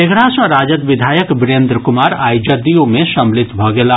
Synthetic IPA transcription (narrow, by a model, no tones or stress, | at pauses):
eɡɽãsɔ̃ɾaːd͡ʒət̪ʋɪd̪ʱaːjəkbɪɾeːnd̪ɾəkʊmaːɾaːjd͡ʒəd̪ijõmẽʃɐmlɪt̪bʱɔɡeːla